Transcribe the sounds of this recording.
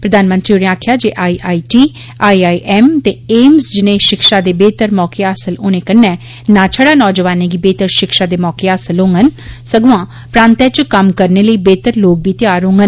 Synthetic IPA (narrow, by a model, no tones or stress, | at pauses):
pɾəd̪aːnmə̃nt̪ɾiːʊɽẽaːkʰjaːd͡ʒeːʔaːiːʔaːiːʈiː | aːiːaːiːʔɛːmt̪eːeːmsd͡ʒɪnẽːʃɪkʃaːd̪eːbeːt̪əɾmɔːkeːaːsəloːnẽːkənːɛ̃ː | nãːt͡ʃʰəɽaːnɔːd͡ʒʋaːnẽːɡiːbeːt̪əɾʃɪkʃaːd̪eːmɔːkeːaːsəlɦõːŋɡənsəɡʊʋãː | pɾãːnt̪ɛːt͡ʃkəmkəɾneːləiːbeːt̪əɾloːk̚biːt̪ɪjaːɾɦõːŋɡən